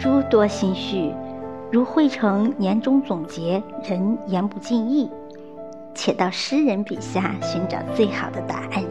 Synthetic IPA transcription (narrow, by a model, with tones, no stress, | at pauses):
ʈ͡ʂu˥t̪wɔ˥ɕi˥ŋɕy˥˩ɻu˧˥xwe˥˩ɪʈ͡ʂʰɤ˧˥ŋnjɛ˧˥nʈ͡ʂʊ˥ŋt͡sʊ˨˩ŋt͡ɕjɛ˧˥ɻə˧˥njɛ˧˥npu˥˧t͡ɕi˥˧ni˥˩ | t͡ɕʰjɛ˨˩t̪ɑ˥˩ʊʂɻ̩˥ɻə˧˥npḭ˨˩ɕja˥˩ɕy˧˥nʈ͡ʂɑ̰˨˩ʊt͡swe˥˩ɪxɑ˨˩ʊd̪ə˦t̪a̰˨˩a˥˩n